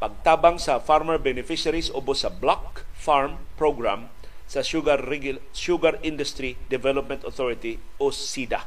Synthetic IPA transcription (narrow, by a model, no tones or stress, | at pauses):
paɡ̚t̪abaŋsafarmərbɛnɛfiʃaɾisobosablɔk̚farmpɾoɡɾa̰m | saɡ | ʃuɡaɾindʊst̪ɾidɛvɛlɔp̚mɛ̃nt̪ɔt̪ɔɾit̪iossida